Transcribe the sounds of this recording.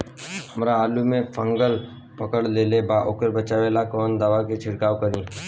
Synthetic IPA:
həmɾaaːlumẽfʰə̃ŋɡəl | pɐkəɽleːlebaːʔoːkəɾbət͡ʃaːʋeːlakɔːnd̪aːʋaket͡ʃʰɪɽkaːʋkəɾĩː

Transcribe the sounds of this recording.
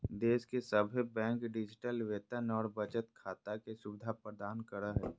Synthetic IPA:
d̪eːskesəbʱibɛ̃ːŋkɖɪd͡ʒɪʈəlʋeːt̪ənɔːɾbət͡ʃət̪kʰaːt̪akesʊbɪd̪ʱapɾəd̪aːnkəɾəɦɛː

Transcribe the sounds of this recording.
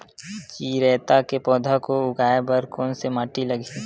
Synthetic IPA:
kiɾɛːt̪akepɔːd̪ʱakoʊɡaːebəɾkɔːnsemaːʈiləɡʱi

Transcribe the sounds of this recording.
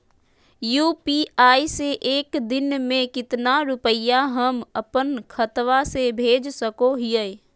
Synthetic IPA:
juːpiaːiseʔeːkd̪ɪnmẽkɪt̪naɾʊpəjaɦəməpənkʰət̪ʋasebʱeːd͡ʒsəkoɦɪjɛ

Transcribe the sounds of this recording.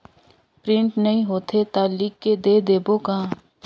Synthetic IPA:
pɾɪ̃ɳʈnɐɦĩɦoːt̪ʰet̪alikːed̪eːd̪eːboka

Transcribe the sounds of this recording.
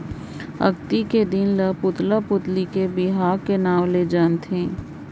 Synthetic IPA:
ɐ̰ɡt̪iked̪ɪnlɐpʊt̪lapʊt̪likebɪɦaːɾkenaːʋled͡ʒaːnt̪ẽː

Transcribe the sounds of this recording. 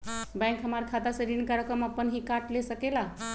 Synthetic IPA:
bɛ̃ŋkɦəmaɾkʰat̪asẽɾinkaɾəkəməpːənɦikaʈlesəkela

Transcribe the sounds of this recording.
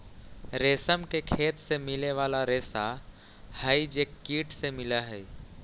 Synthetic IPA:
ɾeːsəmkekʰeːt̪semɪleʋaːlaɾeːsa | həid͡ʒekːiːʈʰsemɪlaɦɛː

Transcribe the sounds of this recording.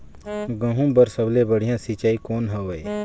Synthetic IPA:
ɡɐ̃ɦũbəɾsəblebəɽiɪjãːsit͡ʃaːikoːnɦəʋeː

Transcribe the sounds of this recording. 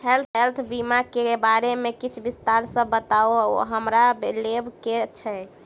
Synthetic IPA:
helt̪ʰelt̪ʰbimakebaɾemekit͡ʃʰbist̪aɾsə̃bət̪aoɦəmɾalebket͡ʃʰɛ

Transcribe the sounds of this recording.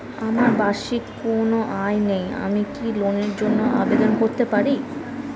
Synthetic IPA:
amaɾbaʃikonoʔajneja̰mikiloneɾd͡ʑonːoʔa̰bed̪onkoɾt̪epaɾi

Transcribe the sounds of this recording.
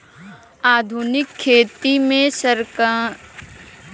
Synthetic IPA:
aːd̪ʱunɪkʰːeːt̪imẽsəɾka

